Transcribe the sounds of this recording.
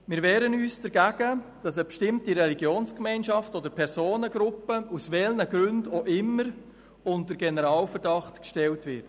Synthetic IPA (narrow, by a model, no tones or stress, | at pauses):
mɪːɾʋɛːɾənyːsd̥əɾɡæɡ̥ə | d̥ɑsəbʃtɪmtiɾɛliɡjoːnskmɛɪnʃɑftodəɾpʰɛɾsoːnəɡɾʊpːəusʋɛlnəɡɾʉndoʔɪmːəɾ | ʊntdəɾɡɛnəɾɑːlfəɾdɑχtkʃtɛltʋɪt